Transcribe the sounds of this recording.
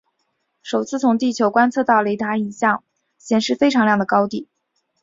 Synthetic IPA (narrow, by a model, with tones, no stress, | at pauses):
ʂo˨˩ʊt͡sʰɹ̩˥˩t͡sʰʊ˧˥ŋt̪i˥˩t͡ɕʰjo˧˥ʊkwa˥nt͡sʰɤ˥˧t̪ɑ˥˩ʊle˧˥ɪt̪ʰa˧˥i˨˧˩ɕjɑ˥˩ŋ | ɕjɛ˨˩nʂɻ̩˥˩fe˥ɪʈ͡ʂʰɑ˧˥ŋljɑ˥˩ŋd̪ə˩kɑ˥ʊt̪i˥˩